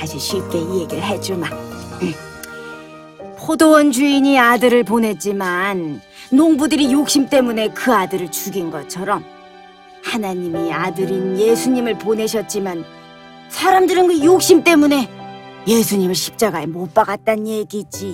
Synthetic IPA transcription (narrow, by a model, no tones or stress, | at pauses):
aɕʰiɕʰip̚k͈e̞ije̞ɡiɭɦe̞d͡ʑ͈ima | pʰodowʌnd͡ʑuiɲiadɯɾɯɭp̬onɦe̞t̚t͡ɕ͈imanː | oŋbudɯɾijok̚ɕ͈imt͈e̞mune̞kɯadɯɾɯɭt͡ɕuɡinɡʌt͡ɕʰʌɾʌm | hanaɲimiadɯɾinje̞sʰuɲimɯɭpone̞ɕʰʌt̚t͡ɕ͈iman | sʰaɾamdɯɾɯnɡɯjok̚ɕ͈imt͈e̞mune̞ | je̞sʰuɲimɯɭɕʰi̥p̚t͡ɕ͈aɡaɦemop͈aɡat̚t͈anje̞ɡid͡ʑi